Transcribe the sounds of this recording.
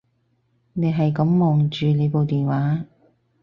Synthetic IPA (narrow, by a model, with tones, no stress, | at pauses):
ne˨˧ɦɐ˨jkɐ˨˥mːɔː˨˩ŋt͡ʃyː˨ne˨˧jpo˨wt̪iː˨nwaː˨˥